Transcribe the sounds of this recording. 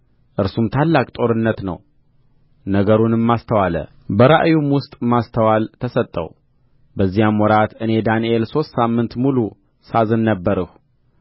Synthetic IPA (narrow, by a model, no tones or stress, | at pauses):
ʔɨɾsumt̪ʰalːakʼt̪ʼo̞ɾɨnːət̪nə̰w | nəɡəɾunɨmːast̪ʰəwalə̰ | bəɾa̰ʔjumwʊst̪ʼmast̪ʰəwalt̪ʰəsət̪ʼːə̰w | bəzːijamwɔɾat̪ɨne̞d̪aniʔelso̞st̪samːɨnt̪mulu | sazɨnːəbːəɾɨh